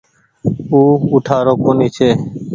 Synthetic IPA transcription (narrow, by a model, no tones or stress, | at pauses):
uːuʈʰaːɾoːkoːniːt͡ʃʰeː